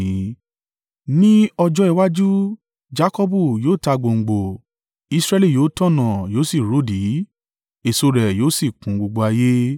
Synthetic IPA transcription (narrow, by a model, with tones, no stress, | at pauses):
nĩ˦ɔ˧d͡ʒɔ˦i˧wa˦d͡ʒu˦ | d͡ʒa˦kɔ˦bu˦˨joː˦˨ta˧ɡ͡bo˨ŋ̩˨ɡ͡bo˨ | i˧sɾɛ˦˧li˦˨joː˨˦tɔ̃˦˨nã˨joː˨˦si˦˨ɾo˨˦di˨˦ | e˨so˧ɾɛ˨joː˨˦˨si˦˨kũ˨˦ɡ͡bo˧ɡ͡bo˧a˧je˦